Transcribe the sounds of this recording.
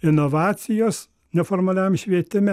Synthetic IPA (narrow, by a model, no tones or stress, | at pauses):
ɪnoʋɑːt̪sʲɪjoːs | nʲɛfoːɾmɐlʲæmʃʲʋʲiɛt̪ʲɪmʲɛ